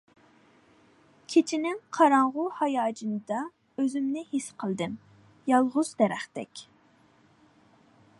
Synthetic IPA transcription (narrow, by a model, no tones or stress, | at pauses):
kʲʰet͡ʃʰinɪŋqʰɑɾɑɴʁʊhɑjɑːd͡ʒɨnɨd̪ɑ | øzymnɪhisqʰəlˠd̪ɨm | jɑlˠʁʊzd̪ɛɾæχt̪ɛ̰kʲ